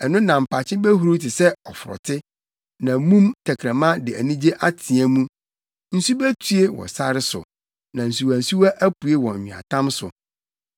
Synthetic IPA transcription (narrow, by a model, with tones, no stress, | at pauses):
ɛ˨nʊ̃˦nã˨m̩˨pʰa˨t͡ɕʰɪ̃˦bæ˦ɦu˨ɾo˦tʰɪ˨sɛ˦ɔ˨fʊ˨ɾɔ̰˨tʰɪ˦ | nã˨mũ˦mtʰɛ˨kʰɾɛ̃˨mã˦dɪ˨æ˨nĩ˦d͡ʑe˦ʔa˦tʰĩ˨æ̃˦mũ˦ | n̩˦su˦bæ˦tʰu˦e˦wɔ̰˨sa˦ɾɪ˦sʊ̰˨ | nã˨n̩˨s̬u˨wæ˨n̩˨su˦wa˦ʔæ˦pu˨e˦wɔ̃˨ɲ˨ɲᶣɪ̃˨a̰˨tʰã˦msʊ̰˨